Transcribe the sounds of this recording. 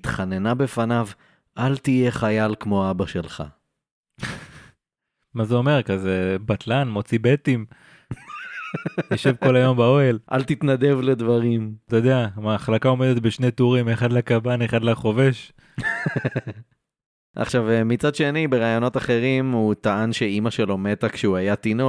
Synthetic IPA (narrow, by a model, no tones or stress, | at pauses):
t̪χanenabe̞fanav | ʔalt̪ije̞χajalkmo̞aabaʃe̞lχa̰ | mazeo̞me̞ʁkazebat̪lanmo̞t͡sibet̪im | joʃevko̞lajo̞mbao̞elʔa̰lt̪it̪nad̪e̞vled̪vaʁimt̪ajod̪eamaːχlakao̞med̪et̪̚beʃnejt̪uʁimeχad̪lakabaneχad̪laχo̞veʃ | ʔa̰χʃavemit͡sadʃe̞nibe̞ʁaːjo̞no̞t̪aχe̞ʁimut̪aanʃeimaʃe̞lo̞me̞t̪akʃeuajat̪ino